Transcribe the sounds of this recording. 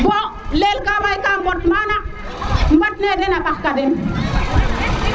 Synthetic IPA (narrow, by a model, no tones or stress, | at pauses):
bo | lelkabajkabəɾt̪mana | bɐʈned̪enapaskad̪en